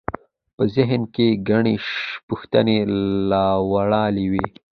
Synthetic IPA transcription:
pəzɪɦnkeɡaɳeʃpuxt̪ənelɑːwaɽɑːliwe

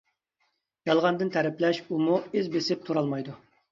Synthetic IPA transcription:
jɑlˠʁɑnd̪ɨnt̪ʰæɾɛplɛʃumuezbesɪp̚t̪ʰuɾɑlˠmɑjd̪u

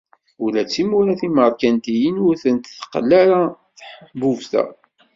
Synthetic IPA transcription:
ulæt͡sːimuɾaθiməðˤkænt̪ijənʊɾθənt̪θə̥qːlːæɾa | θħəħbuvθæ̰

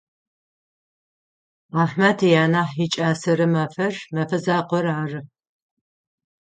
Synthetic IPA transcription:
aːħmɐtʰijaːnaːħit͡ʃʼaːsɐɾɨmɐfɐrmɐfɐzaːqʷɔraːrɨ

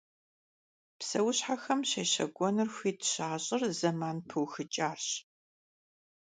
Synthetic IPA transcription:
psɐwʊɕħaxɐmɕɐɕɐ̰ɡʷʼɔnɨrxʷiːtɕaːɕʼɪrzɐmaːnpʰɨwxɨt͡ʃʼaːrɕ

